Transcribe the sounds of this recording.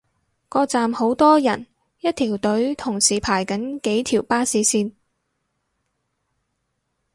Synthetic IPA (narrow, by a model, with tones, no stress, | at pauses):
kɔː˧t͡saː˨mho˨˧˥wt̪ɔː˥jɐ˨˩n | jɐ˥t̚t̪ʰiː˨˩wt̪ɵ˨˥ɥt̪ʰʊ˨˩ŋsiː˨˩pʰaː˨˩jkɐ˨˥nke˨˥jt̪ʰiː˨˩wpaː˥siː˨˥siː˧n